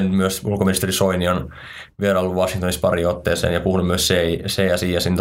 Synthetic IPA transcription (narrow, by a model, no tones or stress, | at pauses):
ny̥myøsulkominist̪erisoinion | ʋieræolːuʋʋɑsiŋt̪onispɑriːot̪ːeːsḛːnjɑpuhunumyøsseiseːɑsiːjɑsint̪